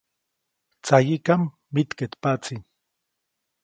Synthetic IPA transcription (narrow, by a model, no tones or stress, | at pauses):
t͡sajikamː | it̪ket̪pat͡si